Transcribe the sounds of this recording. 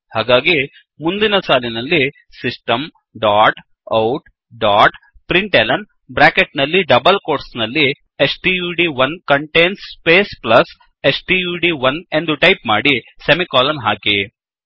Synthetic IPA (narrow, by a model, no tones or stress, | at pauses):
haːɡaːɡi | mund̪inɐsaːlinɐlːi | sisʈɐm | ɖaːʈ | ɐwʈ | ɖaːʈ | pɾiɳʈelɐn | bɾaːkeʈnɐlːiɖɐbɐlkoːʈsnɐlːi | esʈiːjuːɖiʋɐnkɐɳʈeːnsːpeːsplɐs | esʈijuːɖiʋɐne̞nd̪uʈɐjpmaːɽisemikaːlɐmɦaːki